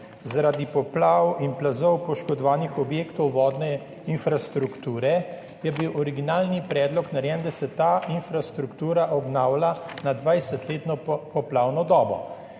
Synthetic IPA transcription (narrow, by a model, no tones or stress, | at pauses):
zaɾad̪ipɔplaːwinplazɔwpɔʃkɔd̪ɔʋaːnixɔbjeːkt̪ɔwʋɔːd̪nɛ | infɾast̪ɾukt̪uːɾɛ | jɛbiwʔɔɾiɡinaːlnipɾɛːd̪lɔknaɾjɛnd̪asɛt̪aːinfɾast̪ɾukt̪uːɾaʔɔbnawlanad̪ʋajsɛt̪leːt̪nɔpɔplaːwnɔd̪ɔːbɔ̰